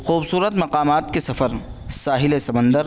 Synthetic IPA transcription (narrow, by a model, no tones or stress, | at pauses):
xuːbsuːɾət̪mɐqaːmaːt̪̚kesɐfəɾ | saːɦɪlesɐmə̃nd̪əɾ